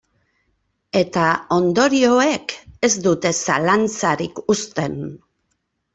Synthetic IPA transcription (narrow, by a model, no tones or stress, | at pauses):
e̞t̪ao̞nd̪o̞ɾio̞e̞ke̞zd̪ut̪e̞sa̰lant͡saɾikust̪e̞n